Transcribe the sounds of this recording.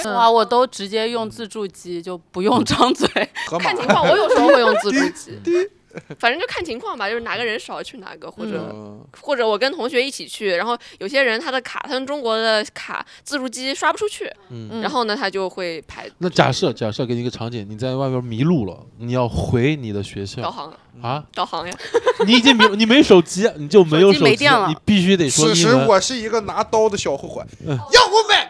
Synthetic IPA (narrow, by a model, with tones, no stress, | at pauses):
wa˥˩wɔ˨˩t̪o˥ʊʈ͡ʂɻ̩˧˥t͡ɕjɛ˥jʊ˥˧ŋt͡sɹ̩˥˧ʈ͡ʂu˥˩t͡ɕi˥t͡ɕjo˥˩ʊpu˧˥jʊ˥˧ŋʈ͡ʂɑ˥ŋt͡swe˥˩ɪ˧kʰnt͡ɕʰi˧˥ŋwɑ˥˩ŋwɔ˧˥jo˨˩ʊʂə˧˥˧xwe˧jʊ˥˧ŋt͡sɹ̩˥˧ʈ͡ʂu˥˩t͡ɕi˥ | fa˨˩ʈ͡ʂə˥t͡ɕjo˥˧˩kʰa˥˩nt͡ɕʰi˧˥ŋkʰwɑ˥˩ŋbɐ˩t͡ɕjo˥˧ʊʂna˨˩ɡə˧ɻə˧˥nʂɑ˨˩ʊt͡ɕʰy˥˩na̰˧˩ɡə˧xwɔ˥˩ʈ͡ʂɤ˨˩˦xwɔ˥˩ʈ͡ʂɤ˧˥wɔ˨˩kə˥nt̪ʰʊ˧˥ŋɕɥɛ˧˥i˥˩t͡ɕʰi˨˩t͡ɕʰy˥˩ɻa˧˥nxo˥˩ʊjo˨˩ʊɕ̬jɛ˥ɻə˧˥nt̪ʰa˥d̪ə˨kʰa̰˨˩t̪ʰa˥kə˥nʈ͡ʂʊ˥ŋkwɔ˧˥d̪ə˧kʰa̰˨˩t͡sɹ̩˥˧ʈ͡ʂu˥˩t͡ɕi˥ʂwa˥pu˧˩ʈ͡ʂʰu˥t͡ɕʰy˥˩n̩˥˩ɻa˧˥nxo˥˩ʊnə˩t̪ʰa˥t͡ɕjo˥˧ʊxwe˥˩ɪpʰa˧˥ɪna˥˩t͡ɕja̰˨˩ʂɤ˥˩t͡ɕja̰˨˩ʂɤ˥˧˩ke˧˥ni˧˥ɡə˧ʈ͡ʂʰɑ˧˥ŋt͡ɕjɛ˨˩ni˨˩t͡sa˥˧ɪwa˥˧ɪpjɛ˥mi˧˥lu˥˩lə̰˩ni˨˩jɑ˥˩ʊxwe˧˥ɪni˨˩d̪ə˦ɕɥɛ˧˥ɕjɑ˥˧˥xɑ˧˥ŋja˧˥k̪ɑ˥˩ʊxɑ˧˥ŋjɑ˧i˧˥i˨˩t͡ɕi˥ŋm˥˩ni˨˩me˧˥jo˧˥ʂo˨˩ʊt͡ɕi˥˧ni˨˩t͡ɕjo˥˩ʊme˧˥ɪjo˧˥ʂo˨e˩˧˥t͡ɕt̪jɛ˥˩lni˨˩pi˥˩ɕy˥t̪e˨˩ɪʂwɔ˥˧i˧˥wɔ˨˩ʂɻ̩˥˩i˧˥ɡə˧na˧˥t̪ɑ˥ʊd̪ə˨ɕjɑ˨˩ʊxwu˧˥xwḛ˨˧˩ɪ˥˩jɑ˥˩ɔ˧˥mə˨˩